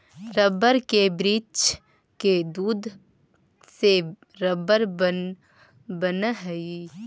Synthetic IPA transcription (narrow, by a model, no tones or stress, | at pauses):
ɾəbəɾkebɾiːt͡ʃ | ked̪uːd̪ | se | ɾəbəɾbə | bənɦɛi